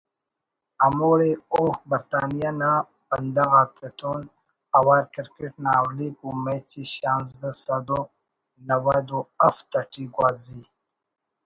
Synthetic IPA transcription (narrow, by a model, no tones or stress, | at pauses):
amoːɾeoːhbɐɾt̪aːnijana | pɐnd̪aɣaːt̪et̪ʰoːn | ɐwaːɾkiɾkeʈnaːwlikumet͡ɕiɕaːns̬d̪əsɐd̪o | nɐwad̪oɐft̪aʈiɡwaːzi